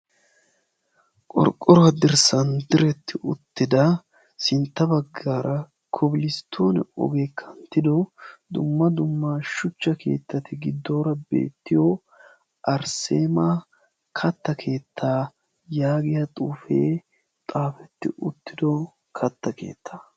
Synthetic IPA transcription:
kʼɔ̰ɾkʼːɔɾɔwɐd̪ɪɾsɐnd̪ɪɾɛt̪ːɪʊt̪ːɪd̪ɐ | sɪnt̪ːɐbɐɡːaɾɐ | kʰɔbɪlɪst̪ʰːoːnɛ̰ɔ̰ɡeːkʰɐnt̪ːɪd̪ɔd̪ʊmːɐd̪ʊmːaʃʊt͡ʃːɐkʰe̞̰ːt̪ːɐt̪ɪɡɪd̪ːo̞ːɾɐbe̞̰ːt̪ːɪjo | ʔɐɾse̞ːma | kʰɐt̪ːɐkʰe̞ːt̪ʰːaː | jaːɡɪjɐt̪ʼuːfeː | t̪ʼaːfɛt̪ːɪ̰ʊt̪ːɪd̪ɔ | kʰɐt̪ːɐkʰe̞̰ːt̪ʰːḁː

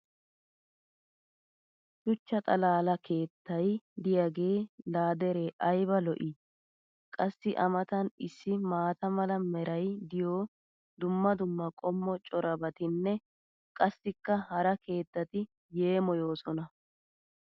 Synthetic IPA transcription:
ʃʊt͡ʃːɐt̪ʼɐlaːlɐke̞ːt̪ːɐjd̪ɪjɐɡe̞ːlaːd̪ɛɾeːʔɐjbɐlɔʔɪ | kʼɐsːɪʔɐmɐt̪ɐnɪsːɪmaːt̪ɐmɐlɐmɛɾɐjd̪ɪjoː | d̪ʊmːɐd̪ʊmːɐkʼɔmːɔt͡ʃʼɔɾɐbɐt̪ɪnːɛ | kʼɐsːɪkːɐhɐɾɐke̞ːt̪ːɐt̪ɪ | je̞ːmɔjo̞ːsɔnɐ

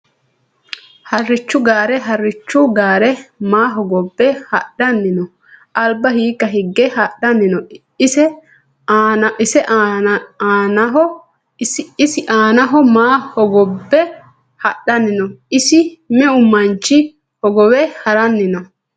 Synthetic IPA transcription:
hɐrːɪt͡ʃːʊɡaːɾɛɦɐrːɪt͡ʃːʊɡaːɾɛmaːɦɔɡɔbːɛhɐɗɐnːɪnɔ | ʔɐlbɐhiːkːɐɦɪɡːɛhɐɗɐnːɪnɔ | ɪsɛ | ʔɪsɛʔː | nɐɦɔ | sɪɪsɪʔaːnɐɦɔmaːhɔɡɔbːɛ | hɐɗɐnɪnɔɪsɪmɛʊmːɐnt͡ʃːɪ | hɔɡɔwɛhɐɾɐnːɪnɔ

